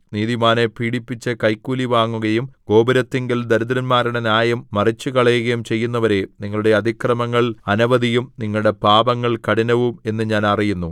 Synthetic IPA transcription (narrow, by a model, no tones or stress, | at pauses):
niːðimaːnepiːɽipːit͡ɕːɐkɐjkːuːliʋaːŋːuɣɐjumɡ̥o̞ːbɐɾɐt̪ːeŋɡild̪ɐɾud̪ɐɾɐnmaːɾiɽenjaːjɐmːɐrit͡ɕːukɐɭɐːɣɐjumt͡ɕe̞jːunːɐʋɐɾe̞niŋːɐɭuɽe̞ɐd̪ʱikrɐmɐŋːɐɭɐnɐʋɐðijumniŋːɐɭuɽe̞paːbɐŋːɐɭkɐɽinɐʋume̞nːɨɲaːnɐrijunːu